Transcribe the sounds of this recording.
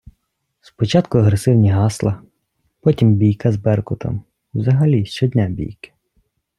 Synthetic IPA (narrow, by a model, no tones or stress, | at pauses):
spɔt͡ʃɑt̪kʊɐɦɾesɪwnʲiɦɑslˠɐ | pɔtʲimbʲijkɐzbɛrkʊt̪ʰɔ̰m | wzɐɦɐlʲiʃt͡ʃɔd̪ʲnʲabʲḭjkɪ̥